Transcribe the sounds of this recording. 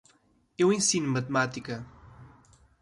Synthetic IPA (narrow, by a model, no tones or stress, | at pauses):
ewẽsinumɐt̪mat̪ikɐ